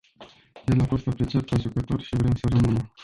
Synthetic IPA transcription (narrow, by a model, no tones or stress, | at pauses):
d̪elafo̞st̪apɾe̞t͡ʃiat̪̚peʒukət̪o̞rʃivɾemsəɾəmɨnəm